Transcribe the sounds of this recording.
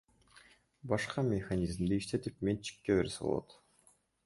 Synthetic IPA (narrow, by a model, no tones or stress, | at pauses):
bɑʃqɑmʲexanʲizmd̪iiʃt̪e̞t̪ipme̞nt͡ʃʰi̥kːeβḛɾseo̰lˠo̰t̪